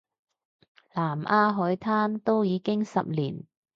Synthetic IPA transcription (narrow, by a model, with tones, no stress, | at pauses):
laː˨˩mʔaː˧ɦɔː˨˥jt̪ʰaː˥nt̪o˥wjiː˨˧kɪ˥ŋsɐ̰˨p̚lḭː˨˩n